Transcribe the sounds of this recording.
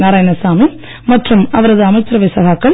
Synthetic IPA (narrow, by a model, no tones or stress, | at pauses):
naːɾaːjɐnɐsaːmi | mɐʈrɯmɐʋɐɾɐðɯɐmɐɪt̪ːɾɐʋɪsɐɣaːkːɐɭ